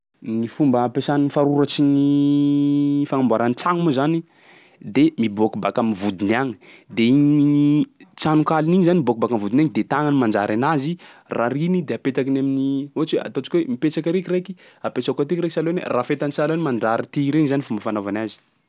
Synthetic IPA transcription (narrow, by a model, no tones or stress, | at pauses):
nifumbəapesaniifaɾuɾat͡ʃini | faŋambaɾanit͡saŋmozani | d̪emibokubakamivud̪inaŋi̥d̪eiɲiɲit͡sanukaliniɲizanimibok̚ubakamvud̪inaŋd̪et̪aŋanimand͡ʒaɾʔanazi | raɾinid̪eapet̪akinaminioat͡ʃwea̰t̪ot͡ʃi̥kʲuwemipet͡ʃakaɾekiɾeki̥ | apesakat̪ikiɾekisalonḛrafet̪ansalonimaɳɖ͡ʐaɾit̪iɾeɲzanifumbəfanovanazi̥